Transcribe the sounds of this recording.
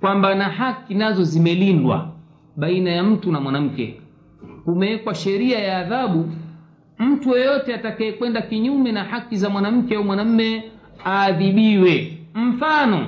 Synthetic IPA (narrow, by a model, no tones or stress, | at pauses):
kwambanahakinazɔzimɛlindwa̰ | ɓainajam̩tunamwanam̩kɛ̰ | umɛːkwaʃɛɾiajaːðaɓu | m̩tujɔjɔtɛatakaɛkwɛndakiɲumɛnahakizamwanam̩kɛaumwanam̩mɛ | aːðiɓiwɛm̩fanɔ